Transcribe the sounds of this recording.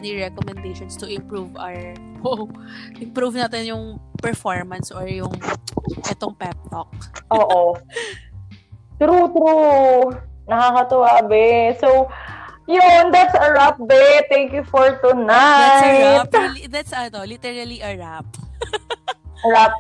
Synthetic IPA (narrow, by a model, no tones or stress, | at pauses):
niɹɛkɔmɛnd̪ejʃɔnst̪ʊʔɪmpɹuva̰wɹ | oʔɪmpɾuvnaːt̪ɛnjʊŋpɛɹfoɹmɐnsʔoɹjʊŋʔɛt̪oŋpɛp̚t̪ok̚ʔoːʔo | t̪ɾut̪ɾu | nɐkakɐt̪ʊwabɛsowjʊnd̪at̪sɐɹap̚bɛt̪ɛŋkjʊfoɹt̪ʊnajt̪̚ld̪at̪sɐt̪olit̪ɛɹɐliʔɐɹap̚ | ɐɹap̚